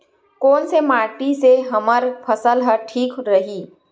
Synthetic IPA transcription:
kɔːnsemaːɾʈiseɦɐməɾpʰəsəlɦəʈʰiːkɾɐɦiː

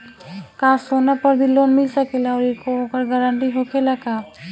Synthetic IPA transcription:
kaːsonapəɾbilːoːnmɪlsɐkelaɔːɾɪkoɦoːkəɾɡəɾə̃ɳʈiɦokelɐkaː

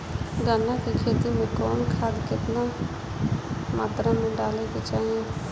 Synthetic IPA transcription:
ɡaːnakikʰeːt̪imẽkɔːnkʰaːd̪kɪt̪na | maːt̪ɾamẽɖaːleket͡ʃaːɦie

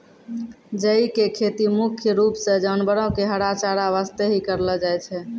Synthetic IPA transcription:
d͡ʒəikekʰet̪imukʰjəɾupsẽd͡ʒənbəɾɔ̃ɦkeɦəɽat͡ʃaɾaβast̪eɦikəɾləd͡ʒajt͡ʃʰɛ

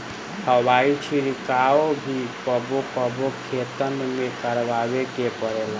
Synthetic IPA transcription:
həwait͡ʃʰiɾikaobʱikəbokəbokʰet̪ənmekəɾʋawekepəɾela

